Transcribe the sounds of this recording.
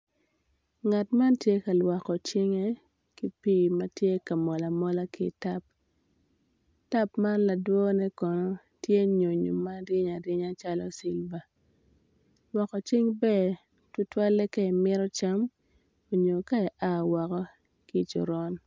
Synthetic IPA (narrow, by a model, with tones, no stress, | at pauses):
ŋa˨tma˦ntje˦ka˨lwa˨kɔ˨t͡ʃɪ˦ŋe˦ | ki˦pi˦ma˦tje˦ka˨mɔ˨la˨mɔ˦la˦ki˦ta˦p̚ | ta˦pma˦nla˨dwɔ˦nɛ˦kɔ˨nɔ˦ | tje˦ɲo˨ɲo̰˨ma˦dɪ˦ɲa˨dɪ˦ɲa˦t͡ʃa˦lɔ̰˦si˦lva˨ | lwa˨kɔ˨t͡ʃɪ˦ŋbɛ˦˨ | tu˦twa˦lɛ˦ke˦i˨mɪ˦ɾɔ˦t͡ʃa˦m | o˨ɲo˨ka˦ɛ˨ʔa˦˨wɔ˨kɔ˦ | ki˦˨t͡ʃɔ̰˨ɾɔ˦n